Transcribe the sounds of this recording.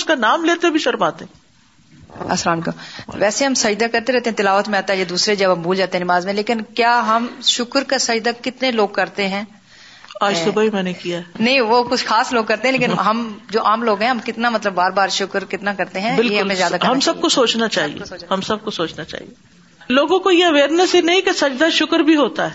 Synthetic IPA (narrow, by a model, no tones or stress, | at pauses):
ʊskanaːmleːt̪ebʱiʃɐɾmaːt̪e | ɐ̰sɾaːnkoʋɛːseɦɐmsɐjd̪akɐɾt̪eɾɛɦt̪ẽɦɛ̃t̪ɪlaːʋət̪mẽaːt̪aɦɛjed̪uːsɾed͡ʒɐbɦɐmbʱuːld͡ʒaːt̪eɦɛnɪmaːzmẽleːkɪnkjaːɦɐmʃʊkəɾkasɐjd̪akɪt̪neloːɡ̚kɐɾt̪eɦɛ̃ː | aːd͡ʒsʊbaːimɛ̃ːnekijaɛnɐɦĩʋokʊt͡ʃʰxaːsloːɡ̚kɐɾt̪ẽɦɛ̃leːkɪnɦɐmd͡ʒoːʔaːmloːɡɦɛ̃ɦɐmkɪt̪namɐt̪ləbːaːɾbaːɾʃʊkəɾkɪt̪nakɐɾt̪eɦɛ̃bɪljeɦɦɐmẽzjaːd̪akɦɐmsɐb̚kosoːt͡ʃnat͡ʃaːɦḭḛoːhɐmsɐb̚kosoːt͡ʃnat͡ʃa̰ːɦḭe | loːɡõkojeɐʋeːɾnəsɦinɐɦĩkesɐd͡ʒd̪aʃʊkəɾbʱiɦoːt̪aɦɛː